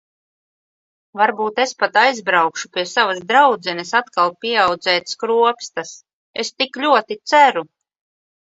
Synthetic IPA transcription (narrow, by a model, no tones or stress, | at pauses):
vaɾbuːt̪e̞spat̪ajzbɾawkʃupʲiɛsavasd̪ɾawd̪zɛnʲisat̪kalˠpʲiɛawd̪zɛːt̪skɾuɔpst̪as | est̪iklʲuɔt̪it̪sæɾu